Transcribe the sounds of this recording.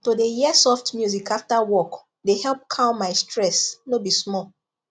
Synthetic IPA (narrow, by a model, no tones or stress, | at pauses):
todejiɛsɔftmjuzikaftawɔk | dehɛlp̚kʰãʊ̃nmaɪstʰɹɛsnobismɔl